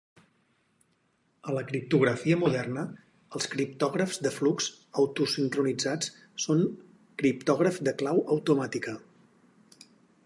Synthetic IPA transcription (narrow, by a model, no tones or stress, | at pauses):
ələkɾip̚t̪uɣ̞ɾəfiəmuðɛrnə | əlˠskɾipt̪ɔɣɾəfzd̪əflukz | əwt̪usiŋkɾunid͡zat͡s | soŋ | kɾip̚t̪ɔɣɾəfd̪əklawʔəwt̪umat̪ikə